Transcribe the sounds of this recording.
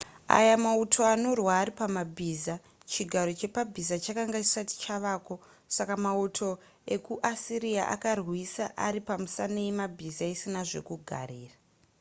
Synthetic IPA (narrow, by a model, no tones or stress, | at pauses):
a̰jamautʰo̞ano̞rwaːɾipamabʱiːza | t͡ʃiɡʱaɾo̞t͡ʃe̞pabʱizat͡ʃakaŋɡat͡ʃi̥sati̥t͡ʃaʋaːko̞ | sakamautʰo̞ | e̞kuʔasiɾiaʔa̰karwisaʔaɾipamusaneimabʱizaisinaʐe̞̰kuɡʱa̰ɾiːra